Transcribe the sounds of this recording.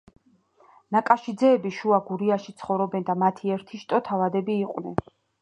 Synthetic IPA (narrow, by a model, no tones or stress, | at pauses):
nakʼaʃid̪zɛːbiʃuaɡuɾiaʃit̪sʰχɔvɾɔbɛnd̪amat̪ʰiɛɾt̪ʰiʃt̪ʼɔt̪ʰavad̪ɛbiːqʼwnɛn